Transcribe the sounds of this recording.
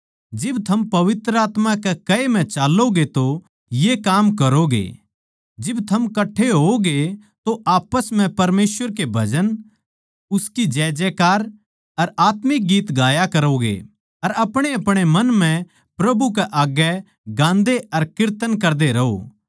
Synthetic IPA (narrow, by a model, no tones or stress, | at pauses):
d͡ʒɪbt̪ʰɐmpɐʋɪt̪ɾəaːt̪mãkɛkɐem̤ɛ̃t͡ʃaːlːoɡet̪o | jekaːmkɐɾoɡḛ | d͡ʒɪbt̪ʰɐmkɐʈʰːeɦoɡe | t̪oʔaːpəsm̤ɛ̃pɐɾmeːsʋəɾkebʱɐd͡ʒən | ʊskid͡ʒɛːd͡ʒɛkaːɾ | ɐɾaːt̪mɪk̚ɡiːt̪ɡaːjakɐɾoɡḛ | ɐɾɐpɽ̃eɐpɽ̃emɐ̃nm̤ɛ̃ | pɾɐbuk̬ɛʔaːɡɛ | ɡãːnd̪eɐɾkɪɾt̪ənkɐɾd̪eɾɐɦo̰ː